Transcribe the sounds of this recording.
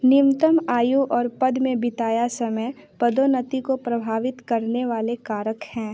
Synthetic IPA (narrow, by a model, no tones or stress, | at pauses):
nɪmt̪əmaːjuʔɔːɾpɐd̪mẽbɪt̪aːjasɐməj | pɐd̪onət̪ikopɾɐbʱaːʋɪt̪kɐɾneʋaːlekaːɾəkhɛ̃ː